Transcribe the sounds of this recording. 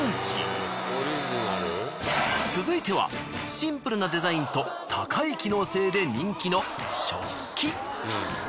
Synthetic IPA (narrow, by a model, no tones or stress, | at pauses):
oɾiʑinaɾɯ | t͡sɨzɨit̪e̞βa̰ɕĩmpɯ̟ɾɯ̟nad̪e̞zaĩnt̪o̞ | t̪ʰakʰaikʲino̞ːse̞ːd̪e̞ɲ̟ĩŋkʲino̞ | ɕo̞̰ | kʲi